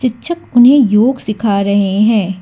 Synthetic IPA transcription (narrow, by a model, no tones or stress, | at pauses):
ɪtːʃʰəkʊnɦẽjoːɡsɪkʰaːɾɐɦeɦɛ̃ː